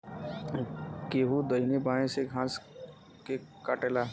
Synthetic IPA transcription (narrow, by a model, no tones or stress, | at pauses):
keːɦud̪əinebãːẽseɡʱãːs | kekaːʈela